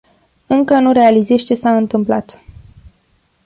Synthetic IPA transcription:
ɨŋkənuɾe̞alize̞ʃt͡ʃe̞saɨnt̪ɨmpla̰t̪

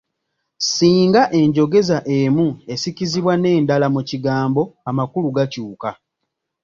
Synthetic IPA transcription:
siːŋɡaʔe̞ɲɟo̞ɡe̞zaʔe̞mue̞siciziβwane̞ːndalamuciɡaːmbo̞amakuluɡacuːka

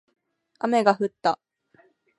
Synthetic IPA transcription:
ame̞ɡaɸɯ̟t̪ːa

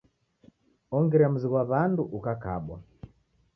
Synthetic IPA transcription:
ɔŋɡɛɾam̩ziɣwaβanduʔukakaɓwa̰

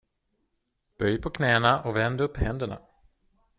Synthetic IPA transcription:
b̥œjpʰɔkʰnɛːnaʔɔvɛnd̪ɵpːhɛnd̪əɳa̰

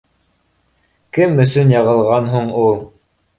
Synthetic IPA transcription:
kɘmɵ̆sɵnjɑʁɤ̆lˠʁɑnɦuɴulˠ

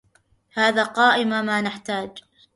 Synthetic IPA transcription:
haːðaːqɑːʔɪmamaːnaħt̪aːd͡ʒ

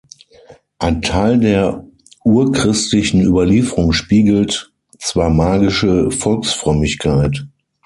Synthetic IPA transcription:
ʔaɪntʰaɪldeːɐ | ʔuːɐkʁ̥ɪstlɪçn̩yːbɐliːfəʁʊŋʃpiːɡl̩t | t͡sv̥aːɐmaːɡɪʃəfɔlksfʁ̥œmɪçkʰaɪt

